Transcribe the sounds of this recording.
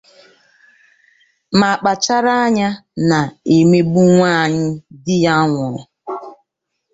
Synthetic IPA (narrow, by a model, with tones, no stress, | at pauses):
ma˨k͡pa˨t͡ʃa˦ɾa˦ɲa˦na˨e˨me˦ɡ͡bu˦ŋʷaː˦˨ɲɪ˦dɪ˦ja˦ŋʷʊ˨ɾʊ̰˨